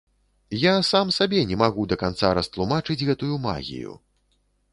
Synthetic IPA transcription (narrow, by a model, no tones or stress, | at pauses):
jasamsabʲɛnʲɛmaɣud̪ɐkant̪saɾɐst̪lˠumat͡ʂɨd͡zʲɣɛt̪ujuma̰ɣʲḭjṵ